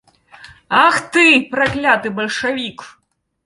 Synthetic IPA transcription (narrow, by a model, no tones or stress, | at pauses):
axt̪ɨpɾaklʲat̪ɨbɐlʲʂavʲik